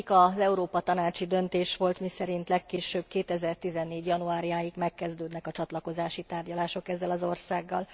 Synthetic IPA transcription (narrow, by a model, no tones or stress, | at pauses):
ikɒzɛuɾoːpɒt̪ɒnaːt͡ʃid̪ø̞nt̪eːʃʋo̞lt̪misɛɾint̪lɛkːeːʃøb̥̚keːt̪ɛzɛrt̪izɛnːeːɟjɒnuaːɾijaːjiɡmɛkːɛzd̪øːd̪nɛkɒt͡ʃɒt̪lɒko̞zaːʃit̪aːrɟɒlaːʃo̞kɛzːɛlɒzo̞rsaːɡːɒ̰l